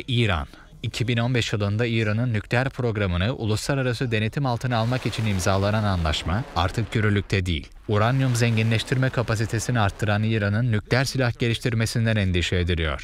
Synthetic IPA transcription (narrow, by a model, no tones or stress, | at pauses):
iːɾa̰n | icʰibino̞nbɛʃjɯlˠɯnd̪aiːɾanɯnːycʰʲlʲeæɾpʰɾo̞ɡɾamɯnɯʔṵlˠuslˠaɾaɾasɯd̪e̞ne̞t̪ʰimalˠt̪ʰɯnɯalˠmakit͡ʃʰinimzaːlˠanananlˠaʃmaa̰ɾt̪ʰɯkɟøɾylʲyc̚t̪ʰɛd̪ḭjḭlʲuɾanjumzɛɲɟinlʲɛʃt̪ʰiɾmɛkʰapas̬it̪ʰe̞siniaɾt̪ʰːɯɾaniːɾanɯnːyclʲeæɾsilʲahɟ̥e̞lʲiʃt̪ʰiɾme̞sind̪ænɛnd̪iʃeːd̪iɾʲijo̞̰ɾ̥